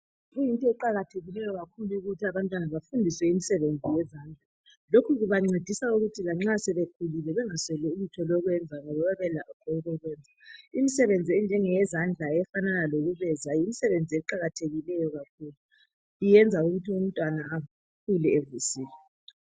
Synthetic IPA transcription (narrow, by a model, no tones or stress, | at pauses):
ɣujintʼɔɛǃaɣatʰeɣilɛjɔɣakʰuluuɣutʰiaβantʼwanaβafundʱiswɛimisɛβend͡zʱijɛzand͡ɮʱa | lokʰuɣuβaŋ͡ǀed̥ʱisauɣutʰilaŋ͡ǁasɛβekʰulilɛβɛŋaswɛlɛulutʰɔlɔɣwɛnd͡zʱaŋɔβɛβaβɛlaʔɔǃʰɔuɣɔɣwɛnd͡zʱaimisɛβend͡zʱiɛnd͡ʒʱɛŋɛzand͡ɮʱaɛfananaloɣuβɛzajimisɛβend͡zʱiɛǃaɣatʰeɣilɛjɔɣakʰuːlu | ijɛnd͡zʱauɣutʰium̩tʼwanaː | kʰulɛevusiːlɛ